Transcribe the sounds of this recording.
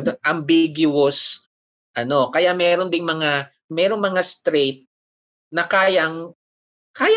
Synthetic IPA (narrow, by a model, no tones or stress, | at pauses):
ʔɐmbiɡjʊos | ʔɐno̞kɐjamɛɾond̪ɪŋmɐŋa | mɛːɾo̞ŋmɐŋast̪ɾet̪̚ | nɐkaːjɐŋ | kaːja